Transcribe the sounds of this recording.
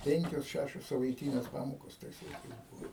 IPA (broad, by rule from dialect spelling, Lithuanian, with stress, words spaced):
ˈpʲɛŋʲkʲoːs ˈʃʲæʃʲoːs sɐʋɐɪˈtʲiːnʲeːs ˈpɑːmoːkoːs ˈtɐɪs lˠɐɪˈkɐɪs ˈbʊʋoː